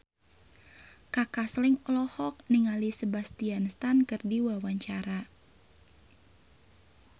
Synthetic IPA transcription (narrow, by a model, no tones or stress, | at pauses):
kakaslɪŋɔlɔhɔk̚niŋalisəbast̪ianst̪ankɨrdiwawaɲt͡ʃaɾa